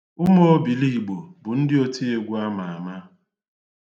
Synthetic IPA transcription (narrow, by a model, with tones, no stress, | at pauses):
ʊ˦mo˦o˦bi˨li˦i˨ɡ͡bo˨bʊ˨n̩˦dɪ˦o˦ti˦e˨ɡʷu˦a˦ma˨a˨ma˦